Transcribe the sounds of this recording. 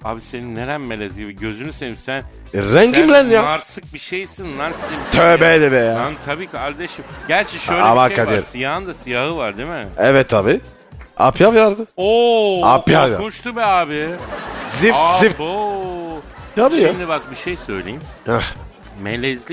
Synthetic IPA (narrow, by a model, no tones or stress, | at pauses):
a̰ːbiseninːeɾænmelʲɛzʲɡʲibiɟø̞zynysenimsæn | ɾɛɲɟimlʲænjaaɾsɯk̚biʃejsinːaɾsɯt̪ʰøːbɛd̪ɛbejaant̪ʰabiːkʰaɾd̪eʃimɟæɾt͡ʃʰɛʃøjla̰baad̪iɾsijaɦɯnd̪asijahɯvaɾd̪emɪɛvɛt̪ʰːaːbi | a̰pʰjavjaɾd̪ɯoa̰pʰjavja̰onʃt̪ʰubiaːbɪ | zifif | t̪ʰabijand̪ɛbak̚biʃejsø̞jlʲejimhɛ | mḛlʲɛzlʲi